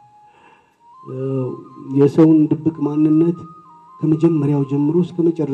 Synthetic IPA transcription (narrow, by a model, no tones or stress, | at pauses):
jɛsəwnd̪ɨbːɨkʼmanːɨnːət̪ | kʰəməd͡ʒɛmːəɾjawd͡ʒɛmːɨɾoskʰəmət͡ʃʼɛrə